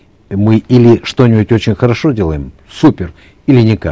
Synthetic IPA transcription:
mɨilʲɪʂt̪o̞nʲɪbʊtʲo̞t͡ɕɪnʲxəɾɐʂo̞dʲe̞ləjɪm | supʲɪr | ilʲɪnʲɪka

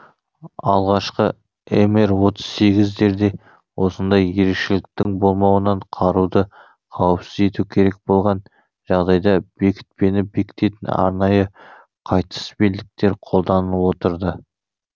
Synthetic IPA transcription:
ɑlˠʁɑʃqə | emeɾwo̞t̪əz̥se̞ɡʲɪzd̪e̞ɾd̪e̞ | wʔo̞sənd̪ɑje̞ɾe̞kʃelɪk̚t̪ɪŋbo̞lˠmɑwənɑɴqʰɑɾud̪ə | qʰɑwəpsɪze̞t̪ukʲʰe̞ɾe̞k̚bo̞lˠʁɑn | ʒ̥ɑʁd̪ɑjd̪ɑbe̞kʲɪ̥t̪̚pe̞nɪpbe̞kʲɪ̥t̪e̞t̪ɪnɑ̰ɾnɑjə | qʰɑjt̪ə̥sbeld̪ɪk̚t̪e̞ɾqʰo̞lˠd̪ɑnəlˠəwo̞t̪əɾd̪ə

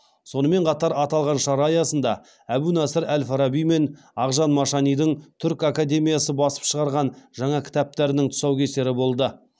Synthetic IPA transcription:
so̞nəme̞ɴqʰɑt̪ɑɾɑt̪ɑlˠʁɑnʃɑɾɑjɑsənd̪ɑ | æbunɑsəɾælfɑɾɑbijme̞n | ɑʁʒɑnmɑʃɑnijd̪əɴt̪ʰʏɾkakad̪e̞mijasəbɑsə̥pʃəʁɑɾʁɑnʒɑɴɑkʲʰɪ̥t̪æp̚t̪æɾɪnɪŋt̪ʰʊ̥sɑwkʲʰese̞ɾɪbo̞lˠd̪ə

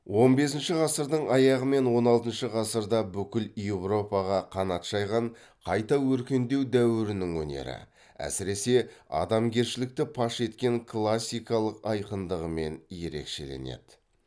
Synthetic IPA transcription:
wo̞nbe̞s̬ɪnʃɪʁɑsəɾd̪əɴɑjɑʁəme̞nwo̞nɑlˠt̪ənʃəʁɑsəɾd̪ɑbʏkʲɪljevro̞pɑʁɑqʰɑnɑt̪ʃɑjʁɑɴ | qʰɑjt̪ɑwɵɾkʲe̞nd̪e̞wd̪æwɪɾɪnɪŋwɵne̞̰ɾɪ̰ | æ̰sɪɾe̞se̞ɑ̰d̪ɑmɡʲe̞ɾʃɪlɪk̚t̪ɪpʰɑʃe̞t̪kʲe̞ŋkʰlˠasʲːijkɑlˠəqɑjqənd̪əʁəme̞nje̞̰ɾe̞̰kʃe̞̰lḛne̞̰d̪ɪ

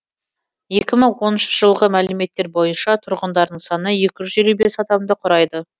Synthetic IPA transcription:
je̞kʲɪməɴwo̞nənʃəʒəlˠʁəmælɪme̞t̪ːe̞ɾbo̞jənʃɑt̪ʰʊɾʁənd̪ɑɾd̪əɴsɑnəje̞kʲɪʒʏzʒelːuwbe̞sɑd̪ɑmd̪əqʰʊɾɑjd̪ə

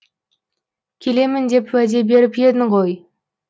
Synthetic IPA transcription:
kʲʰe̞le̞mɪnd̪e̞pwæd̪e̞be̞ɾɪpje̞d̪ɪɴʁoj

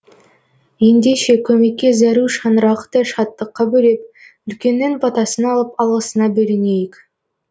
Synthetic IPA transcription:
e̞nd̪e̞ʃe̞kʲʰɵme̞kʲːe̞zæɾʉʃɑnəɾɑqt̪ɑʃɑt̪ːəqːɑbɵle̞p̪̚ | ʏlkʲe̞nːenpʰɑt̪ɑsənɑlˠəpɑlˠʁəsənɑbe̞ɾɪnejɪkʲ

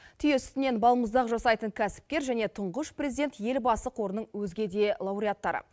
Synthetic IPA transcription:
t̪ʰije̞sʏ̥t̪ɪne̞nbɑlˠməzd̪ɑqʒɑsɑjt̪əɴkʲʰæsɪ̥p̚kʲe̞ɾʒæne̞t̪ʰəɴʁəʃprʲezid̪ʲent̪je̞lbɑsəqʰo̞ɾənəɴwɵzɡʲe̞d̪e̞lˠɑwɾijat̪ːɑɾə̰

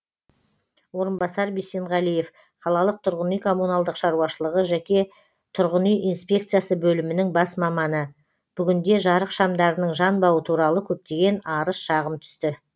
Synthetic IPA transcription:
wo̞ɾənbɑsɑɾbisiɴʁɑlˠije̞f | qʰɑlˠɑlˠəq̚t̪ʰʊɾʁənijkʰo̞munɑlˠd̪əqʃɑɾuwɑʃəlˠəʁəʒækʲe̞ | t̪ʰʊɾʁənijʔijnspʲe̞kt̪sɨjasəbɵlɪmɪnɪŋbɑsmɑmɑnə | b̥ʏɡʲɪnd̪e̞ʒɑɾəqʃɑmd̪ɑɾənəɴʒɑnbɑwət̪ʰuɾɑlˠəkʲʰɵp̚t̪e̞ɡʲe̞nɑɾəsʃɑʁəmt̪ʰʏ̥st̪ɪ

